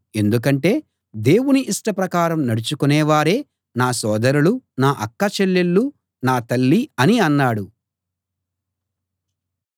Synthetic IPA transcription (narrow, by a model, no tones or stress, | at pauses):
e̞nd̪uk̬ɐɳʈe̞ː | d̪e̞ːwuniʔiʂʈɐpɾɐkaːɾɐmnɐɽut͡ʃukunɛːʋaːɾe̞ː | naːsɔːd̪ɐɾulunaːʔɐkːɐt͡ʃelːelːu | naːt̪ɐlːiɐniɐnːaːɽu